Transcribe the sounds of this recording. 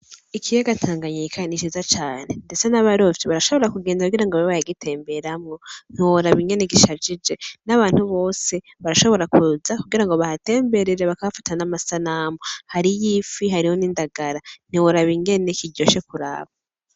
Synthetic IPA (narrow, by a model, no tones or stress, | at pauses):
ikʰijeɡatʰaːŋɡaɲiikʰanit͡ʃizat͡ʃaːne̞nde̞t͡senaβaɾovjiβaɾaʃo̞βo̞ɾakuɡe̞ːndakuɡiɾaŋɡoββajaɡitʰe̞ːmbe̞ɾamŋo̞n̥oɾaβiŋɡe̞neɡiʃad͡ʒid͡ʒe̞naβaːn̥huβo̞ːse̞ | βaɾaʃo̞βo̞ɾakuzakuɡiɾaŋɡo̞βahate̞ːmbe̞ɾeɾeβakaβafḁtanamasanamohaɾijiːfiɦaɾiho̞niːndaɡaɾan̥iwoɾaβiŋɡe̞ne̞kiɟɟo̞ʃe̞kuɾa̰ːβa